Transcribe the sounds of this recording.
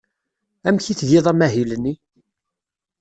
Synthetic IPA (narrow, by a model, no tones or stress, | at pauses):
æmçiθðiðˤæmæɦilənːi